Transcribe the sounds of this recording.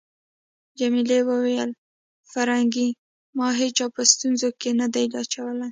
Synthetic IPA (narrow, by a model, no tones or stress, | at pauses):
d͡ʒamilewəwejəl | faɾhaŋɡi | mɑɦet͡ʃɑwpəst̪unzokenad̪ajlɑt͡ʃawəlaj